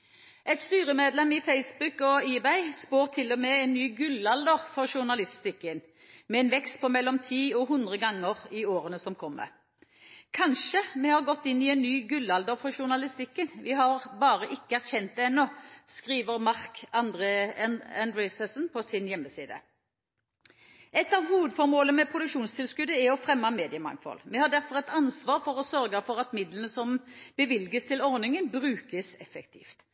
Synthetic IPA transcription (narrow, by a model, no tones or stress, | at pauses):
ʔɛt̪st̪yːʁəmeːd̪lɛmɪfeɪsbʉkɔiːbæɪspoːʁt̪ʰɪlːɔmɛɛnːyːɡʉlɑld̪əʁfɔʁʃʊnɑlɪst̪ɪkːən | mɛɛnʋɛkst̪̚pʰɔmɛlːɔmt̪ʰiːɔɦʊnd̪ʁəɡɑŋːəʁɪoːɾənəsɔmkʰɔmːə̰ | kʰɑnʃəmɛhɑʁɡɔt̪ːɪnːɪɛnnyːɡʉlːɑld̪əʁfɔʃʊnɑlɪst̪ɪkːənʋɪɦɑʁbɑːʁəʔɪkːəæʁçɛnt̪ɛnːɔskʁiːʋəʁmɑʁkɑnd̪ɾeænd̪ɾɛsəsnpʰɔsɪnjɛmːəsiːd̪ə̰ | ɛt̪ːɑʋhuːʋəd̪fɔɾmoːləmɛpʰʁʊd̪ʉkʃuːnst̪ʰɪlskʉd̪əæɔfʁɛmːɑmeːd̪ɪəmɑ̰ŋfɔ̰lmɛhɑɖ̪æʁfɔʁɛt̪ɑnsʋɑːʁfɔʁɔsœɾɡəfɔʁɑt̪mɪd̪lənəsɔmbəʋɪlɡəst̪ʰɪlɔʁnɪŋənbʁʉːkəsɛfɛkt̪ʰḭːft̪